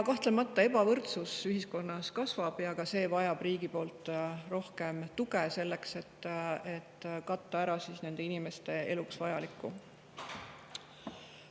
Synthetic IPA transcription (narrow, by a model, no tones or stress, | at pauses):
kɑht̪le̞mɑt̪ːˑɑe̞bɑvɤrt̪susyɦisko̞nːɑskɑsvɑb̥jɑɡɑse̞ːvɑjɑb̥riːɡipo̞ːlt̪ˑro̞hke̞mt̪uɡese̞lːekse̞t̪ːe̞t̪ːkɑt̪ːˑɑæɾɑsiːsne̞nd̪̥e̞inime̞st̪e̞e̞̰luksvɑjɑlikːˑu